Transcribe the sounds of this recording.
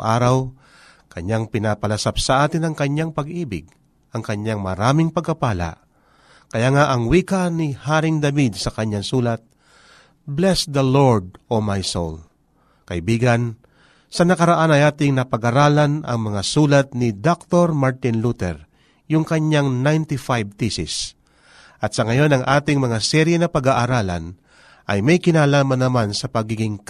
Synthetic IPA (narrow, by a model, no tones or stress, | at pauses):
ʔaːɾaw | kɐɲaŋpɪnapɐlɐsap̚sɐʔaːt̪ɪnɐŋkɐɲːaŋpɐɡʔiːbɪ̰ɡ | ʔɐŋkɐɲaŋmɐɾaːmɪŋpɐɡ̚kːɐpaːla̰ʔ | kɐjaːŋaʔɐŋwiːkanɪhaːɾɪŋd̪ɐbid̪̚sɐkɐɲːaŋsuːlat̪̚ | blɛsd̪ɐloɹd̪̚omajso̰l | kɐʔɪbiːɡɐn | sɐnɐkɐɾaʔanɐjaːt̪ɪŋnɐpɐɡaɾaːlanɐ̰ŋmɐŋasuːlɐt̪̚nɪd̪ok̚t̪oɾmaɹt̪ɪnlut̪ɛ̰ɾ | jʊŋkɐɲːaŋnajnt̪ɪfajb̚t̪isɪ̰s | ʔɐt̪sɐŋɐjo̞nɐŋʔaːt̪ɪŋmɐŋasɛɾjɛnɐpɐɡaʔaɾaːla̰n | ʔɐjmɐjkɪnaːlaːmɐnːɐmansɐpɐɡiːɡɪŋ